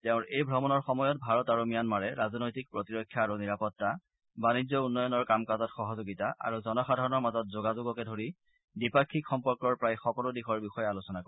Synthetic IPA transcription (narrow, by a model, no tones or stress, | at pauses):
tɛʊ̃nejbʱɹɔmɔnɔɹxɔmɔjɔt̚bʱaɹɔtaɹomijanmaɹɛɹazɔnojtik̚pɹotiɹɔkʰːjaːɹuniɹapɔtːa | banizɔunːɔjɔnɔɹkamkazɔtxɔɦɔzoɡitaʔa̰ɹuzɔnɔxadʱaɹɔnɔɹmazɔt̚zoɡazʊɡɔkɛdʱoɹi | dipakʰːikxɔmpɔɹkɔɹpɹajxɔkɔludixɔɹbixɔjɛalusɔnakɔɛ